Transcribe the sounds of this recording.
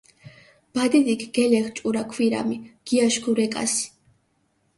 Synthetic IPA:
b̥ad̪id̪ikʰɡ̥ɛlɛχt͡ʃʼuɾakʰwiɾa̰miɡ̥iaʃɡuɾɛkʼa̰si̥

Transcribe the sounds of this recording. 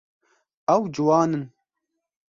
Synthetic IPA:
ɐwd͡ʒwaːnɨn

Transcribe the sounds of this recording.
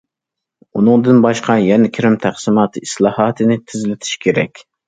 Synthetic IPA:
unɨŋd̪ɨnbɑʃqʰɑjɛnɛkʲʰiɾɪmt̪ʰæχsɨmɑːt̪ʰɨislˠɑːhɑːt̪ʰɨnɪt̪ʰɪzlɪt̪ʰɪ̥ʃkʲʰeɾɛkʲ

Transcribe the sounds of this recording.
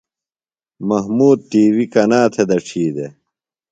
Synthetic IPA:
mɐɦmuːd̪̚t̪ːiːwikɐnaːt̪ʰed̪ɐʈ͡ʂʰiːd̪e

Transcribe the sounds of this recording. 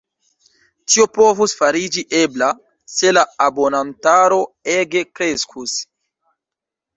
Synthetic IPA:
tio̞po̞vusfaɾid͡ʒiʔebla | se̞laabo̞nantaɾo̞e̞ɡe̞kɾe̞skʰus

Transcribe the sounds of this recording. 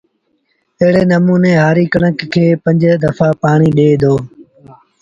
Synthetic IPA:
əɦɪɽeːnəmuːneːɦaːɾiːkəɽəkkʰːeːpə̃ɲd͡ʒd̪əfaːpaːɳ̃iːɗeːd̪oː

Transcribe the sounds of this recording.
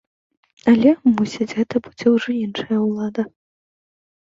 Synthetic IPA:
ɐlʲɛmusʲid͡zʲɣɛt̪ɐbɨd͡zʲɛwʐɔinʂɐjɐwlˠad̪ɐ

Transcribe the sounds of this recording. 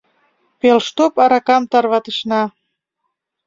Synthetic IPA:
pelʃt̪opɑɾɑkɑmt̪ɑrβɑt̪əʃnɑ

